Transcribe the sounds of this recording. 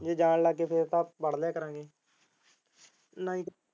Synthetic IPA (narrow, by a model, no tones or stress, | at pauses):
d͡ʒeːd͡ʒaːnlaːɡkːeːpʰɪɾt̪ãːbəɽlɛːkəɾãːɡeː | nãːĩː